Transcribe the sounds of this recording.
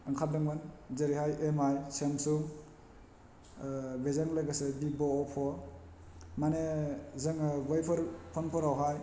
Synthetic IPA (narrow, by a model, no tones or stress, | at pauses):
ɯŋkʰat̚dɯŋbanzeɾihajemajsemsuŋ | bezaŋlaɡasɯbibɔːpʰɔ | manezɯŋabajpʰɔɾpʰɔnpʰɔɾawɦaj